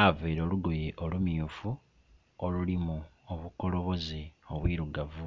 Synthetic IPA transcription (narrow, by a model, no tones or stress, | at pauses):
aveːɾo̞ːluɡo̞jeʔolumjuːfu | olulimuoβuko̞lo̞βo̞zio̞βwiːɾuɡavu